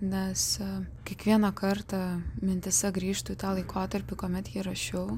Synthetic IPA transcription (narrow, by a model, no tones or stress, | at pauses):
nʲɛskʲiɛkʋʲiɛnɐkɐɾt̪ɑmʲɪnʲt̪ʲɪsʲɛɡɾʲiːʃt̪ʊit̪ɑːlˠɐɪkʰoːt̪ɐɾʲpʲɪkoːmʲɛt̪jiːɾɐʃʲɛʊ